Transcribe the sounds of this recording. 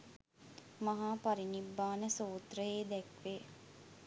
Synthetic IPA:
maɦaːpaɾinibːaːnəsoːt̪rəeːd̪ɛkʋe

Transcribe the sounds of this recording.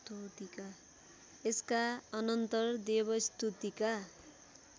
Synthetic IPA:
t̪ut̪ika | eskaʌnʌnt̪ʌrd̪ebʌst̪ut̪ika

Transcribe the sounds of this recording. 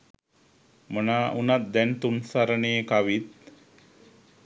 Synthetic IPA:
mənaːʔunat̪̚d̪ɛnt̪unsaɾəneːkaʋit̪̚

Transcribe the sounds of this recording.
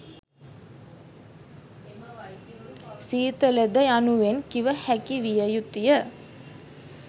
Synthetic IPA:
siːt̪ələd̪əjanuʋenkiʋəhækiʋijəjut̪ijə

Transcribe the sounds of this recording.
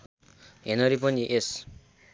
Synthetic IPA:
ɦenʌɾipʌniʔes

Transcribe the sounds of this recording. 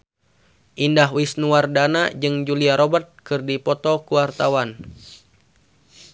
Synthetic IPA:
ʔindaɦwisnuardanad͡ʒɨŋd͡ʒuliaɾɔbərt̪̚kɨrdipɔt̪ɔkuwart̪awan

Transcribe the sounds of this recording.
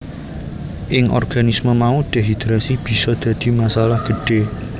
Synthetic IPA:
ʔɪŋʔɔ̰rɡ̥anisməmauɖ̪̥eɦid̪ɾasib̥i̤sɔd̪̥ä̤d̪̥i̤masalahɡ̥ə̤ɖ̥e

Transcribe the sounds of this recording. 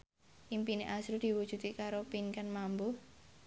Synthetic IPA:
ʔimpineʔasɾud̪̥i̤wu̥ʒ̥ṳt̪ikaɾopinkanmambo

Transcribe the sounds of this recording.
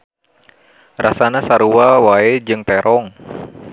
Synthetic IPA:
rasanasaɾuawaed͡ʒɨŋt̪ɛɾʔɔŋ

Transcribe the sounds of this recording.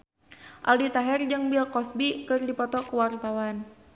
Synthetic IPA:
ʔa̰lit̪aɦɛrd͡ʒɨŋbilkɔsbikɨrdipɔt̪ɔkəwart̪awan

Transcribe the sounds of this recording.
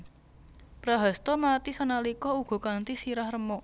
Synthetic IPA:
pɾaɦast̪ɔmat̪isanalikɔuɡ̥ɔ̤kant̪isiɾahrəmɔ

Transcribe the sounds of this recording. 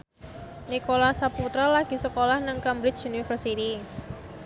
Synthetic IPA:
nikolasaput̪ɾalaɡ̥i̤səkolahnəŋkamɾɪt͡ʃunifərsit̪i

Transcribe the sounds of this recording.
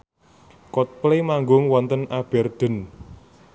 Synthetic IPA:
kɔt̪̚plemaŋɡʊŋwɔnt̪ənab̥ɛ̤rd̪̥ə̤n

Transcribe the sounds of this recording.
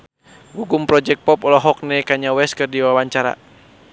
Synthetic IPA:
ɡuɡumpɾɔd͡ʒɛk̚pɔpɔlɔɦɔk̚nɛkaɲawɛskɨrdiwawaɲt͡ʃaɾa̰

